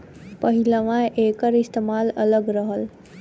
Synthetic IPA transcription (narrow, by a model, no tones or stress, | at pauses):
pəɦiləʋãʔeːkəɾist̪emaːlə̰ləɡɾəɦəl